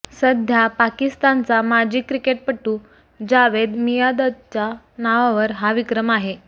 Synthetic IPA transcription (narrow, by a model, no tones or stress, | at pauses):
səd̪ʱjapakist̪ant͡samad͡ʑʱiːkːɾikeʈ̚pəʈːu | d͡ʑaʋed̪mijad̪əd̪̚t͡ɕa | naʋaʋəɾɦaʋikɾəmaɦe